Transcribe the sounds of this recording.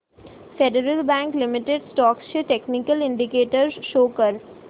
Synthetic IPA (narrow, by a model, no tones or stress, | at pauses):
feɖəɾəlbæ̃ːŋklɪmɪʈeɖsʈɔːkʃeʈeknɪkəlɪ̃ɳɖɪkeːʈəɾzʃoːkəɾ